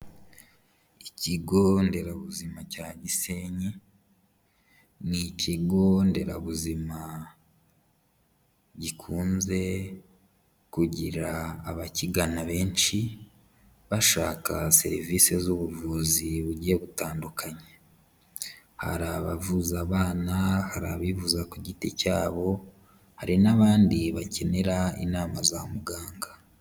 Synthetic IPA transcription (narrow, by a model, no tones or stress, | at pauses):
iciɡo̞nde̞ɾaβuzimacaːɟise̞ɲi | niciɡo̞nde̞ɾaβuzima | ɟikʰuːnze̞ | kuɟiɾaːβaciɡanaβe̞ːnʃi | βaʃaːkase̞̰ɾiviːse̞zuβuvuːziβuɟijeβutaːndukʰaɲe | ha̰ɾaβa̰vuzaβaːnahaɾa̰βivuzakuɟitecaːβo̞ | haɾinaβaːndiβace̞ne̞ɾaḭnaːmazamuɡaːŋɡa